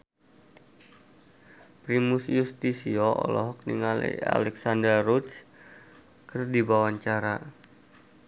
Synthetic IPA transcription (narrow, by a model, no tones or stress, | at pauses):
pɾimusjust̪isioʔɔ̰lɔɦɔk̚niŋalḭa̰lɛksandərrut̪s | kɨrdibawaɲt͡ʃaɾa